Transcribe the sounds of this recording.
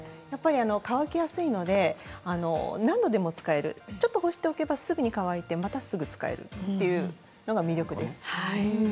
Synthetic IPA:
japːaɾʲiano̞kaβakʲijasɨino̞d̪e̞ano̞̰nãnd̪o̞d̪e̞mo̞t͡sɨ̥kae̞ɾɯ̟̰t͡ɕo̞t̪ːo̞ho̞ɕi̥t̪e̞oke̞basɨɡɯ̟ɲ̟ikaβait̪e̞mat̪asɨɡɯ̟t͡sɨ̥ka̰e̞̰ɾɯ̟̰t̪ːe̞jɯ̟ | no̞ɡamʲiɾʲjo̞kɯ̟d̪e̞sɨ̥a

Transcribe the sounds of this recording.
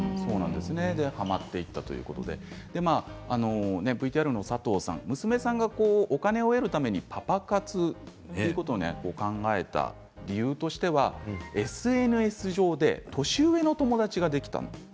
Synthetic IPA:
so̞ːnã̰nd̪e̞sɨne̞d̪e̞hamat̪ːe̞it̪ːat̪o̞jɯ̟̰ko̞t̪o̞̰d̪e̞̰d̪̥e̞maːno̞ne̞bɯ̟it̪iaɾɯ̟no̞sat̪o̞ːsã̰ŋmɯ̟sɨme̞sãŋɡako̞ːʔokane̞o̞eɾɯ̟t̪ame̞ɲ̟ipʰapakat͡sɨt̪ejɯ̟kot̪one̞̰koːkãŋɡae̞t̪a̰ | ɾʲijɯːt̪o̞ɕi̥t̪e̞βae̞sɨe̞nɯ̟e̞sɨʑo̞ːd̪e̞̰t̪o̞ɕɨɯe̞no̞t̪o̞mo̞d̪at͡ɕiɡad̪e̞kʲi̥t̪a̰no̞̰

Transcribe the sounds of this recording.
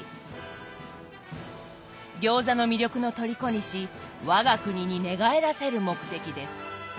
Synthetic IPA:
ɡʲo̞ːzano̞mʲiɾʲo̞kɯ̟no̞t̪o̞ɾʲiko̞ɲ̟iɕiβaɡakɯ̟ɲ̟iɲ̟ine̞ɡae̞ɾase̞ɾɯ̟mo̞kɯ̟̥t̪e̞kʲid̪e̞sɨ̥

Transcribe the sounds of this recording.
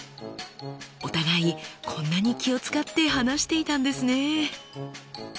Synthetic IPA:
o̞t̪aɡaikʰõ̞nːaɲ̟ikʲio̞t͡sɨ̥kat̪ːe̞ɦanaɕi̥t̪e̞it̪ãnd̪e̞sɨne̞

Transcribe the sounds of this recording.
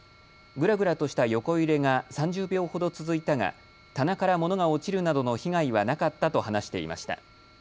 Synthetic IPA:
ɡɯ̟ɾaɡɯ̟ɾat̪o̞ɕi̥t̪ajo̞ko̞iɾe̞ŋasãɲ̟d͡ʑɨːbʲjo̞ːho̞d̪o̞t͡sɨzɨit̪aŋa̰ | t̪anakaɾamo̞no̞ɡao̞t͡ɕiɾɯ̟nad̪ono̞çiɡaiβanakat̪ːat̪o̞hanaɕi̥t̪e̞̰ḭma̰ɕi̥t̪a̰

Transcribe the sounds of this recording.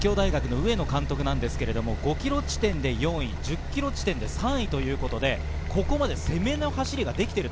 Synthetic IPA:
kʲo̞ːd̪aiɡakɯ̟no̞ɯ̟e̞no̞kãnt̪o̞kɯ̟nãnd̪e̞sɨ̥ke̞ɾe̞d̪o̞mo̞ɡo̞kʲiɾo̞t͡ɕi̥t̪ẽ̞nd̪e̞jõ̞ɰ̃id͡ʑɨkʲːiɾo̞t͡ɕi̥t̪ẽ̞nd̪e̞sãɰ̃it̪o̞jɯ̟ːko̞t̪o̞d̪e̞ | ko̞ko̞mad̪e̞se̞me̞no̞haɕiɾʲiɡad̪e̞kʲi̥t̪e̞ɾɯ̟

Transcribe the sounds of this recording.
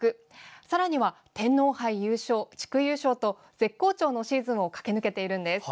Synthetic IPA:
ɯ̟ | saɾaɲ̟iβa | t̪ẽ̞nːo̞ːhaijɯ̟ːɕo̞ːt͡ɕi̥kɯ̟jɯːɕo̞ːt̪o̞ | z̥e̞kːo̞ːt͡ɕo̞ːno̞ɕiːzɨ̃ɰ̃o̞kḁke̞nɯ̟ke̞t̪e̞iɾɯ̟̃nd̪e̞sɨ̥

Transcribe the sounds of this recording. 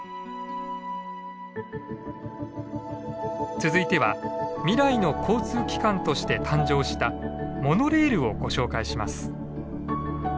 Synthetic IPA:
t͡sɨzɨit̪e̞βamʲiɾaino̞kʰo̞ːt͡sɨːkʲi̥kãnt̪o̞ɕi̥t̪e̞t̪ʰãɲ̟d͡ʑo̞ːɕi̥t̪amo̞no̞ɾe̞ːɾɯ̟o̞ɡ̥o̞ɕo̞ːkaiɕimasɨ̥

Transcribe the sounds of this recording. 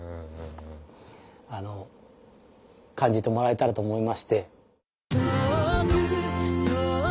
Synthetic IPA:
ano̞ | kʰãɲ̟d͡ʑit̪e̞mo̞ɾae̞t̪aɾat̪o̞ːmo̞imaɕi̥t̪e̞

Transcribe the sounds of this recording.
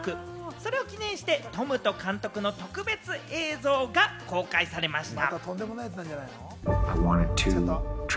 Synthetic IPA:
kɯ̟ | so̞ɾe̞o̞kʲinẽ̞ɰ̃ɕi̥t̪e̞t̪o̞mɯ̟t̪o̞kãnt̪o̞kɯ̟no̞t̪o̞kɯ̟be̞t͡sɨʔe̞ːzo̞ːɡako̞ːkaisaɾe̞maɕi̥t̪a̰tt̪o̞nd̪e̞mo̞naj̪ãɲd͡ʒanajno | aɪwɑ̃ñɪd̚tʰɨtʰ

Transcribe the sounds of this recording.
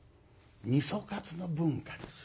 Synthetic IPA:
ɲĩsɔkat͡sɨnabuŋ̩kani

